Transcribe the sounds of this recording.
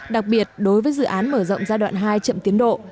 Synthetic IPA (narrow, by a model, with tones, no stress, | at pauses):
ɗa˨˩k̚ɓi˨˩ət̚ɗo˨˦jvəː˨˦jzɨ̰˧˨ʔaː˨˦nməː˧˩zə̰˧˨wŋ͡mzaː˧jɗwa̰ː˧˨nɦaː˧jt͡ɕə̰˧˨mt̪i˨˦ənɗo̰˧˨